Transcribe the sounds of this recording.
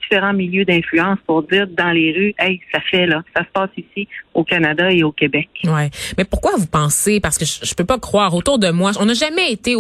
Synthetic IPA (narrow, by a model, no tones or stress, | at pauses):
d̥ifeʁɑ̃miljød̪ɛ̃flyɑ̃ːspʊʁdd͡z̪iːʁd̪ɑ̃leʁyɛjsafɛlʌsasə̥paːsisiokanad̪aeokʲebɛkwɛmɛpʊʁkwavupɑ̃sepaʁsə̥kəʒəʒəpøpakχwaːʁot̪uːʁd̪əmwaɔ̃naʒamɛet̪e